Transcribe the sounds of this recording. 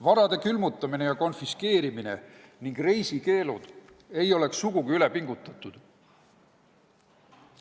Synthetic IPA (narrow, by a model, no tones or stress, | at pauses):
vɑɾɑd̪̥e̞kylmut̪ːˑɑmine̞jɑko̞nfiske̞ːɾimine̞̰niŋɡ̥re̞jsike̞ːlud̪̥ | e̞jo̞le̞ksːuɡ̥uɡ̥iylepiŋɡ̥ut̪ˑːɑt̪ːˑud̪̥